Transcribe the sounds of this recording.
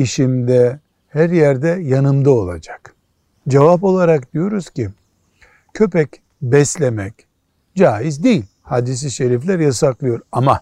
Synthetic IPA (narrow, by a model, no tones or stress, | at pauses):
iʃimd̪ɛ | hæɾjæɾd̪ɛjanɯmd̪ao̞lˠa̰d͡ʒḁk | d͡ʒevap̬o̞lˠaɾakd̪ijo̞ɾuz̥ci | cʰø̞pɛc | bɛslʲemɛc | d͡ʒaːjizd̪ejilʲhad̪is̬iʃeɾiflʲæɾjasaklˠɯjo̞ɾama